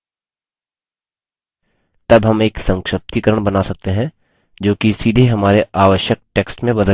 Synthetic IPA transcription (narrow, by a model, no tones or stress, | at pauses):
t̪ɐbɦɐmeːksɐ̃ŋkʃəp̚t̪ikəɾəɽ̃bɐnasɐk̚t̪eɦɛ̃ | d͡ʒoːkisiːd̪ʱeɦɐmaːɾeaːʋəʃjək̚ʈeːksʈmẽbɐd̪ə